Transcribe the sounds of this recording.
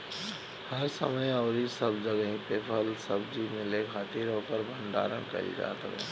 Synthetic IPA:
hɐɾsɐ̰məjɔːɾisɐbd͡ʒɐɡĩpeːpʰəlsɐbd͡ʒimɪ̃lekʰaːt̪iːɾoːkəɾbʱəɳɖa̰ːɾənkɐ̰ɾḭd͡ʒa̰ːt̪ɐ̰kḛ̃ː

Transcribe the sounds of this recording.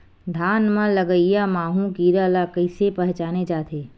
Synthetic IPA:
d̪ʱaːnmãlɐɡəijamaːɦũkiːɾalakəɪsepɐɦt͡ʃaːned͡ʒaːt̪ʰeː

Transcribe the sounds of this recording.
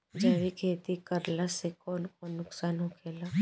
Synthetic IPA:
d͡ʒaːʋikʰeːt̪ikəɾlasekɔːnkonːʊksaːnɦokʰeːla

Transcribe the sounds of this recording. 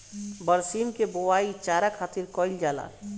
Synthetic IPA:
bəɾsimkebowait͡ʃaɾakʰat̪iɾkɔild͡ʒala̰

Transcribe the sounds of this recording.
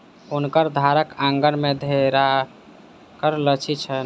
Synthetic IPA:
unkəɾd̪ʱaɾəkãŋɡənmed̪ʱeɾa | kəɾlət͡ʃʰit͡ʃʰən

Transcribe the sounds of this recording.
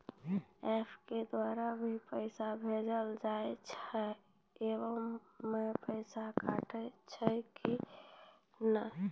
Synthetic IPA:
epʰked̪waɾabʱipəɪsabʱed͡ʒəld͡ʒaet͡ʃʰɛ | ewəmː | epəɪsakaʈət͡ʃʰəki | nə

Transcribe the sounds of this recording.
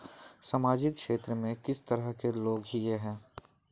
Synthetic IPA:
sɐmaːd͡ʒɪkʃeːt̪ɾəmẽkɪst̪əɾəɦkeloːɡɦijeɦɛ̃ː

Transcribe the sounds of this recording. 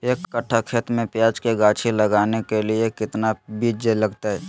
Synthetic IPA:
eːkːəʈʰːakʰeːt̪mẽpjaːd͡ʒkeɡaːt͡ʃʰiləɡaːnekeliekɪt̪nabid͡ʒeləɡt̪aɦɛː

